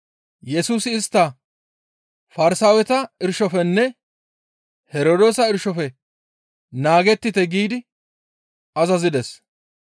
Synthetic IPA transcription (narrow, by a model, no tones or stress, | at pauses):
jɛsuːsɪːst̪ːɐ | fɐɾɪsaːwɛt̪ɐɪɾʃɔfɛnːɛ | hɛɾoːd̪o̞ːsɐɪɾʃɔfɛ | naːɡɛt̪ːɪt̪ɛɡiːd̪ɪ | ɐzɐzɪd̪ɛs